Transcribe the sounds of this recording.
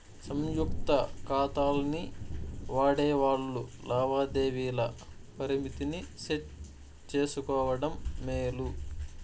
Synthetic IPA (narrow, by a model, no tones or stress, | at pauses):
sɐmjukt̪ɐkaːt̪aːlɐniʋaːɽeːʋaːɭːulaːʋaːd̪e̞ːʋiːlɐ | pɐɾimit̪iniseʈ | t͡ʃe̞ːsukɔːʋɐɽɐmːeːlu